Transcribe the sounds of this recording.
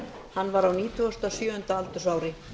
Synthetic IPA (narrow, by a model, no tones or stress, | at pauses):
hanːvaɾawniːt̪ʰʏast̪asjœːʏnt̪aalt̪ʏ̥saːwɾɪ